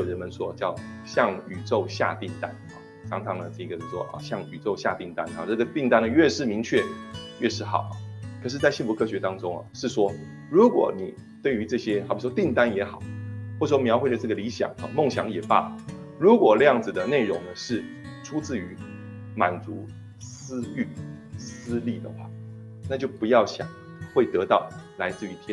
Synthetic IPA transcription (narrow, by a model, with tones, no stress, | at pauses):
ɻə˧˥nmə˧˦nʂwɔ˥t͡ɕjɑ˥˩ʊɕjɑ˥˩ŋy˨˩ʈ͡ʂo˥˧ʊɕja̰˥˧t̪i˥˩ŋt̪a˦nɐ˥˩ | ʈ͡ʂʰɑ˧˥ŋʈ͡ʂʰɑ˧˥ŋnə˧ʂ̩˥˩i˧˥ɡə˧˩o˥˩wɔ˦ʔɐ̰˨˩ɕjɑ˥˩ŋy˨˩ʈ͡ʂo˥˧ʊɕja̰˥˧t̪i˥˩ŋt̪a˥na̰˨˩nɤ˥˩ɡə˩t̪i˥˩ŋt̪a˥nə˨ɥɛ˥˧ʂɻ̩˥˩mi˧˥ŋt͡ɕʰɥɛ˥˩ɥɛ˥˧ʂɻ̩˥˩xɑ̰˨˩˦ʊkʰɤ˨˩ʂ̬ɻ̩˥˧t͡sa˥˧ɪɕi˥˧nfu˧˥kʰɤ˥ɕɥɛ˧˥t̪ɑ˥ŋʈ͡ʂʊ˥ŋɐ̰˨˩ʂɻ̩˥˩ʂwɔ˥ | ɻu˧˥kwɔ̰˨˩˦ni˨˩ | t̪we˥˩ɪy˧˥ʈ͡ʂɤ˥˩ɕjɛ˥xpʰwɔ˥t̪i˥˩ŋt̪a˥njɛ˧˥xɑ˨˩˦ʊxwɔ˥˩˨ʂwɔ˥mjɑ˧˥ʊxwe˥˩d̪ə˩ʈ͡ʂɤ˥˩ɡə˩li˧˥ɕjɑ̰˨˩ŋɐ̰˧˩mo˥˩ŋɕjɑ̰˧˥ŋjɛ˨˩pa̰˥˩ | ɻu˧˥kwɔ˨˩ljɑ˥˩ŋd͡zɹ̩˨˩d̪ə˩ne˥˩ɪɻʊ˧˥ŋnə˧ʂɻ̩˥˩ | ʈ͡ʂʰu˥t͡sɹ̩˥˩y˧˥ | ma˨˩nt͡su˧˥ | sɹ̩˥y˥˩sɹ̩˥li˥˩d̪ə̰˩xwa̰˥˩ | na˥˧t͡ɕjo˥˩ʊpu˧˥jɑ˥˩ʊɕjɑ̰˨˩˦ŋ | xwe˥˩ɪt̪ɤ˧˥t̪ɑ˥˩ʊla˧˥ɪt͡sɹ̩˥˧yi˧˥t̪ʰjɛ˥˦